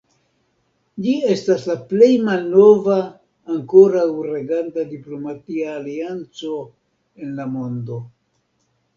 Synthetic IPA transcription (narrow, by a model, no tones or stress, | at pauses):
d͡ʒie̞staslaple̞jmalno̞vaː | ŋko̞ɾawɾe̞ɡantadiplo̞matiaːliant͡so̞ | e̞nlamo̞ndo̞